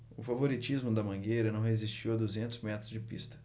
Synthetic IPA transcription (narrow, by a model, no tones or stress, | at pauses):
ʊfavoɾit͡ʃizmʊd̪ɐmɐ̃ɡejɾɐnɐ̃w̃hezist͡ʃiwɐd̪uzẽnt̪ʊzmɛt̪ɾʊzd͡ʒɪpḭst̪ɐ̥